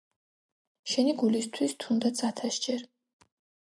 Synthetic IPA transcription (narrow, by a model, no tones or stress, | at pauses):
ʃɛniɡulist̪ʰwist̪ʰund̪at͡sʰʼat̪ʰaʃd͡ʒʼɛɾ